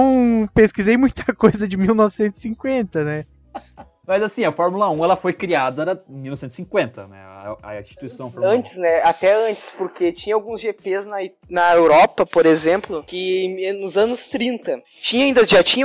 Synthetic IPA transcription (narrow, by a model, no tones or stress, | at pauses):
w̃peskizejmũj̃t̪ʰɐkojzɐd͡ʒɪmiwnɔvɪsẽnt̪ʊ̥sĩŋkwẽnt̪ɐnɛ | mɐzasĩɐfɔɾmulɐũɛlɐfojkɾiad̪ɐɐẽmiwnɔvsẽt̪sĩkwẽnt̪ɐ̰nɛ̰ɐ̰ĩst͡ʃi̥t̪uisɐ̃w̃fɐ̃nt͡ʃɪ̥snɛat̪ɛɐ̃nt͡ʃɪ̥spoɾket͡ʃĩɲɐ̃awɡũzʒepeznɐi | nɐewɾɔpɐpoɾezẽmplʊkɪnʊzɐ̃nʊst̪ɾĩnt̪ɐ | t͡ʃĩɲɐaĩnd̪ɐʒat͡ʃĩɲɐ